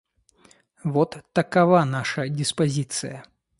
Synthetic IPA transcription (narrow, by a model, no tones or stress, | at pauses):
vɔt̪ːɐkavanaʂɐdʲɪspazʲit̪sɨjɐ